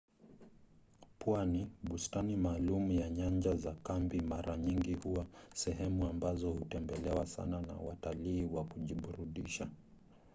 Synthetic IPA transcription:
pwaniɓustanimaːlumujaɲaɲd͡ʒazakambimaɾʔaɲiŋɡihuwasɛɦɛmuambazɔhutɛmbɛlɛwasa̰nana̰wataliːwakuʄiɓuɾuɗiʃa

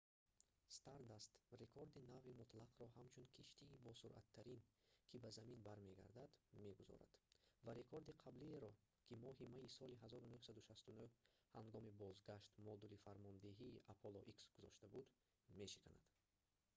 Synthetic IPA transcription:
st̪aɾd̪ast̪re̞kʰoɾd̪inavimut̪ʰlaqɾɔɦamt͡ʃʰunkʰiʃt̪iːbɔsuɾʔa̰t̪ʰːaɾinkʰibazaminbaɾme̞ɡa̰ɾd̪ad̪me̞ɡuzɔ̰ɾa̰d̪̥vaɾe̞kʰo̞ɾd̪iqʰablieɾɔ | kʰimɔɦimaisɔliɦazɔɾunuhsad̪uʃast̪unuh | haŋɡɔmibɔzɡaʃt̪mɔd̪ulifaɾmɔnd̪eɦiːʔapʰolɔʔiksɡ̥uzɔʃt̪abud̪ | me̞ʃi̥kʰana̰d̪̥

